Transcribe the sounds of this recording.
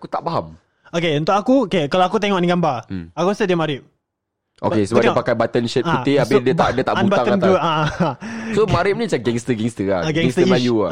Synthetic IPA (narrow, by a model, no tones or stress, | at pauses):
akut̪aʔbaɦam | okeunt̪ʊkakuokekalaakut̪eŋɔʔniɡambaakuasədiəmaɾɪp̚ | ʔo̰kesəbap̚ddiŋəpakajbat̪ənʃɛt̪̚auiabɪdiəb̪aʔdiət̪aʔbubat̪aŋəant̪ua | somaɾɪp̚nit͡ʃaɡɛŋst̪əɡɛŋst̪əa̰aɡɛɛst̪əəlajua